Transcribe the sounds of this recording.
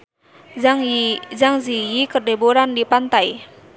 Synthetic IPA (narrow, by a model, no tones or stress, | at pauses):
ŋzaŋzijikərdeboɾandipant̪aj